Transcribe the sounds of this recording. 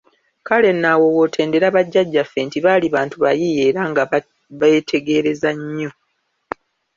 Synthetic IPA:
kale̞nːawo̞wo̞tʰe̞ːnde̞ɾaβaɟːaɟːafːe̞ntiβaːliβaːntuβajije̞ːɾaŋɡa | βetʰe̞ɡe̞ɾe̞zaɲːo̞

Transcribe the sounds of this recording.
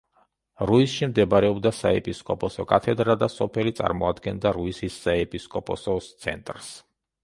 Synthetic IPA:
ɾuisʃimd̪ɛbaɾɛɔbd̪asaɛpʼiskʼɔpʼɔsɔkʼat̪ʰɛd̪ɾad̪asɔpʰɛlit̪sʼa̰ɾmɔad̪ɡɛnd̪aɾuisisːaɛpʼiskʼɔpʼɔsɔt̪sʰɛ̰nt̪ʼɾs

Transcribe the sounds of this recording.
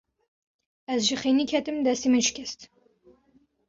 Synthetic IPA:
ɛzʒiχenikʲʰɛt̪ɨmd̪ɛst̪imɨnʃkʲʰɛst̪

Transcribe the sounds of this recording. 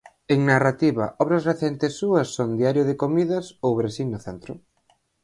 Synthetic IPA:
eŋnarat̪iβɐ̰ʔɔβɾɐzreθent̪ɪsːuɐsːond̪iaɾjʊðɪkomiðɐsowβɾesiŋnʊθɛnt̪ɾʊ

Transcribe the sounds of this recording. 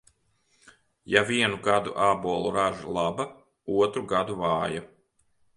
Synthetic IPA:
javiɛnuɡad̪ṵʔaːbuɔlˠuɾaʒalˠaba | uɔt̪ɾuɡad̪uvaːja

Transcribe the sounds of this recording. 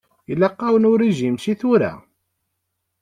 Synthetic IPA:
ilːɑqːɑwənʊɾiʒimʃiθʊɾæ̰

